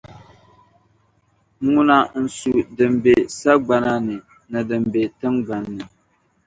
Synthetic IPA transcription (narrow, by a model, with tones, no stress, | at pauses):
ŋʊ˦na˦n̩˦su˨dɨ˨mbe˨sa˦ɡ͡ba˨na˦nɨ˨ | nɨ˨dɨ˨mbe˨tɨ˦ŋɡ͡ba˨nːɨ˨